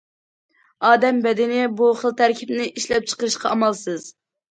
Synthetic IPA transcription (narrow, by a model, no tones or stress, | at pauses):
ɑːd̪ɛmbɛd̪ɪnɪbuχəlˠt̪ʰæɾkʲʰipnɪʔiʃlɛp̚t͡ʃʰə̥qəɾɨʃqʰɑɑmɑlˠsɨz̥